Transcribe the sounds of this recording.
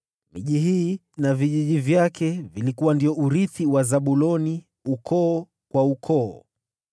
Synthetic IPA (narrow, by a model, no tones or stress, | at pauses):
mḭʄiɦiː | naviʄiʄivjakɛvilikuwandiɔʔuɾiθiwazaɓulɔni | ukɔː | kwaukʰɔː